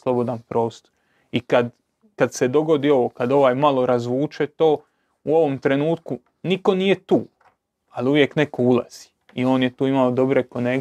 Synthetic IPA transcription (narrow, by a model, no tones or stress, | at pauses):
slˠo̞bo̞d̪anpɾo̞ːst̪o̥ɾ | ikad̪ | kad̪se̞d̪o̞ɡo̞d̪io̞ʋokad̪o̞ʋaːjmalo̞ɾazʋuːt͡ʃet̪o̞ː | uo̞ʋo̞mt̪ɾe̞nuːt̪ku | niko̞niːje̞t̪uː | aluʋje̞kne̞koulˠa̰z̥i̥ | io̞ːnjet̪uːimaod̪o̞bɾekoneɡ